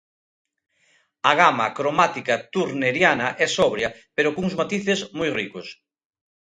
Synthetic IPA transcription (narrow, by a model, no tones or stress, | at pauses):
ɐɣamɐkɾomat̪ikɐt̪uɾneɾjanɐʔɛsɔβɾjɐpeɾokuŋzmat̪iθezmojrikos